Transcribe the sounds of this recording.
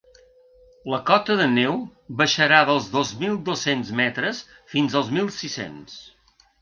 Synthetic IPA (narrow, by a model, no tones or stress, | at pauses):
ləkɔt̪əðənewβəʃəɾaðəlˠzðozmilˠd̪osenzmɛt̪ɾəs | finzəlˠzmilˠsisḛns